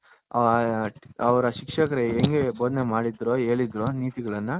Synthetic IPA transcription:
ɐ | ɐʋɐɾɐʃikʂɐkɐɾeːŋɡeboːd̪nemaːɽid̪ɾoːeːɭid̪ɾoːniːt̪iɡɐɭɐnːɐ

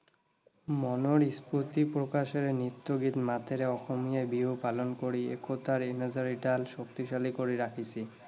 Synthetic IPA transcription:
mɔnoɾispot̪ipɾokaʃeɾenit̪ːoɡit̪mat̪ʰeɾeɔxomijajbiɦupalonkoɾiḛkʰot̪aɾinad͡ʑaɾiʈalʃokt̪iʃalikoɾiɾakʰit͡ɕʰi

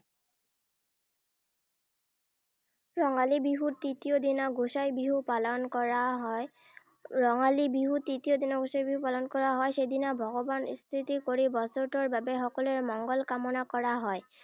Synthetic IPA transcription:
ɹɔŋalibiɦutitijod̪inaɡusajbiɦupalɔnkɔɹaɦɔ | ɹɔŋalibiɦutitijod̪inɔɡusajbiɦupalɔnkɔɹaɦɔjsejd̪inabʱɔɡɔbanst̪ʰitikoɹibɔsɔɹtɔɹbabɛxɔkɔlɛɹmɔŋɡɔlkamɔnakɔɹaɦɔj

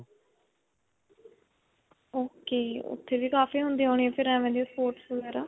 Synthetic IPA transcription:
oːkeːʊ̰t̪ʰːeːʋiːkaːfiːɦʊnd̪iːɦoːɳ̃iɛ̃ːpʰɪɾɛ̃ːʋɛ̃ːd̪iːspoːɾʈsʋəɡɛːɾaː

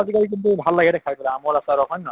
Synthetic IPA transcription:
azikalik̬intubʱalːaɡɛɾɛkʰaɹtɔlɛamɔɹasaɹɔkɔnnɔ

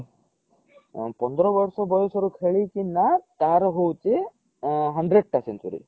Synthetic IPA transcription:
pɔnd̪ɾɔʋɐɾsɔbɔjosɔɾukʰeɭikinːat̪aːɾɦowt͡ʃi | ɦɐɳɖɾeɖ̚ʈɐsent̪ṵɾḭ

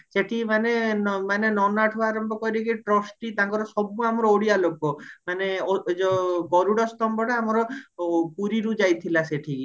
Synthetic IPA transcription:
seʈʰimanenmanenɔnaʈʰɔaɾɔmbɔkɔjɾikiʈɾɔsʈit̪ãkɔɾɔsɔbuamɔɾɔoɽijalokomaneɔd͡ʒɔɡɔɾuɽɔst̪ɔmbɔɽaamɔɾɔpuɾiɾud͡ʒajt̪ʰilaseʈʰii

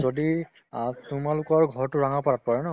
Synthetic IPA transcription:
zodi | tʊmalʊkɔɹɡʱɔɹtʊɹaŋapaat̚paɹɛnɔ

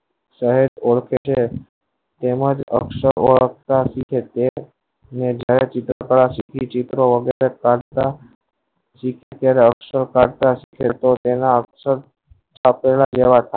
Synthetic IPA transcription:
səɦet̪oɭkʰet͡ʃʰe | t̪eməd͡ʒə̰ksəɾoɭək̚ʰt̪asikʰet̪e | ned͡ʒjaɾet͡ʃit̪ɾə̰kəɭasikʰit͡ʃit̪ɾoʋəɡeɾekaɽt̪a | sikʰet̪jaɾeəksəɾkaɽt̪asikʰet̪ot̪enaəksəɾ | t͡ʃʰapelad͡ʒeʋat̪ʰae

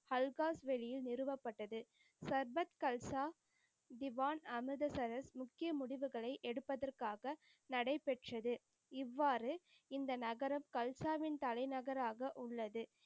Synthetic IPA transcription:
hɐlɣaːsʋɛɻɪjɪlnɪɾɯʋɐpːɐʈːɐðɯ | sɐɾbɐt̪kɐlsaː | d̪ɪʋaːnɐmɯðɐsɐɾɐsmʊkːɪjɐmʊɽɪʋɯɣɐɭɐɪʔɛɽɯpːɐðɐrkaːɣɐ | nɐɽɐɪpːɛʈrɐðɯ | ɪʋːaːɾɯ | ɪnd̪ɐnɐɣɐɾɐmkɐlsaːʋɪnt̪ɐlɐɪnɐɣɐɾaːɣɐʔʊɭːɐðɯ

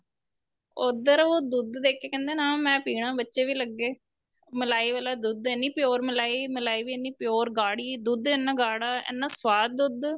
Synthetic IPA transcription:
oːd̪əɾoːd̪ud̪d̪eːkʰeːkɛ̃ːnd̪eːnãːmɛ̃ːpiːɽãːbətːʃeːʋiːləɡːeː | məlaːiːʋaːlaːd̪ud̪eːnːiːpɪjoːɾməlaːiːməlaːiːʋiːenːiːpɪjoːɾɡaːɽiːd̪ud̪eːnːãːɡaːɽaːḛːnːãːswaːd̪̚d̪ud̪

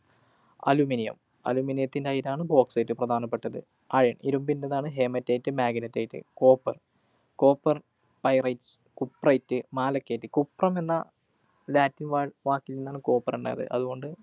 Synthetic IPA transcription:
ɐ̰luminijɐ̰m | ɐ̰luminijɐt̪ːindeɐjiɾaːɳɨbo̞ːksɐjtːɨprɐd̪ʱaːnɐpːe̞ʈːɐðɨ̰ | aːɻijɐɳiɾumbindeðaːɳɨɦe̞ːmɐtːejitːɨmaːɡinɐtːɐjitːɨ̰ko̞ːpːɐr | ko̞ːpːɐr | pɐjrɐjts | kupːrɐjitːɨmaːlɐkːeːtːɨkupːrɐme̞nːɐ | laːtːinʋaːɻʋaːkːilːinːaːɳɨko̞ːpːɐruɳɖa̰jɐ̰ðɨ̰ʔɐ̰ðuɣo̞ɳɖɨ

